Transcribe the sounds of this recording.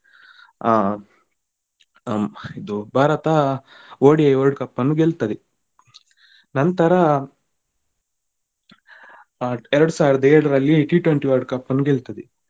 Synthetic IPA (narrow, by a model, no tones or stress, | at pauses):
id̪ubʱaːɾɐt̪ɐ | oːɽiɐjʋɐɾɖkɐpːɐnːuɡɛlt̪ɐd̪i | nɐnt̪ɐɾɐ | ɛɾɐɽusaːʋiɾɐd̪ɐɛɾɽɐɾɐlːiʈiːʈʋeɳʈiʋɐɾɖkɐpːɐnːuɡelt̪ɐd̪i